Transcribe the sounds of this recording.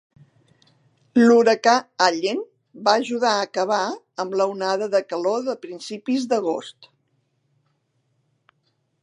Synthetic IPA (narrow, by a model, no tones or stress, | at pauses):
luɾəkaaʎen | baəʒuðaəkəβa | əmləunaðəðəkəloðəpɾinsipizðəɣ̞o̰st̪